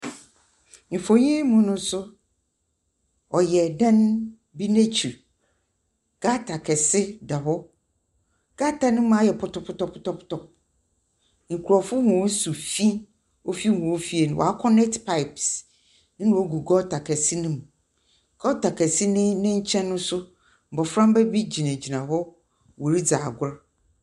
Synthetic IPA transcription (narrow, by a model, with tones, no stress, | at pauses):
m̩˨fo˨ɲĩ˦mũ˦nʊ̃˦sʊ˦ | ɔ˨jɛ˨dã˦n | bi˦nẽ˦t͡ɕʰi˨ɾ | ɡ̥a˦tʰa˨kʰɛ˨sɪ˦da˨hɔ˦ | ɡ̥a˦tʰa˨nɪ̃˦m̃˦a˦jɛ˨pʰʊ˦tɔ˨pʰʊ˦tɔ˦pʰʊ˦tɔ˦pʰʊ̥˦tɔ˨p̚ | ŋ̩˨kʰu˨ɾɔ˨fʊ˦hũ˨˦su˨fi˦ | o˦fi˦hũ˨o˦fi˦e˨nʊ̃˨wʔɔ̰˨a˦kʰɔ˦nɛ˦ktpʰa˦ɪ˨ps | nɪ̃˦nʊ̃˨o˦ɡu˨ɡɔ˦tʰa˨kʰɛ˨si˦nɪ̃˦m˨ | ɡɔ˦ta˨kʰɛ˨si˦nɪ̃˦nɪ̃˦ɲ̩˦t͡ɕʰɛ̃˦nːʊ̃˦sʊ˦ | m̩˨bɔ˨fɾã˦m˦bɛ˦bi˦d͡ʑi˨nɛ̃˨d͡ʑi˨nã˨ɦɔ˦ | wo˨ɾi˦d͡za˨ɡʊ˨˦ɾa˦